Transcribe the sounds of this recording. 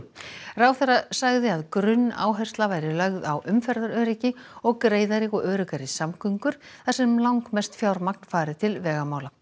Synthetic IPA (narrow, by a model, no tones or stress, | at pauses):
rawθɛjrasaɣðɪaðkɾʏnːa̰ːwɦɛ̥st̪lavaːjɾɪlœɣðawʔʏmfɛɾðaɾœːɾicɪɔɣkɾeːjðaɾikɔʔœːɾɪkaɾɪsamkʰʏŋkʏɾ̥θasɛmlawŋkmɛst̪fjaːwɾmak̚n̥faːɾɪt̪ʰɪlvɛːɣamaːwla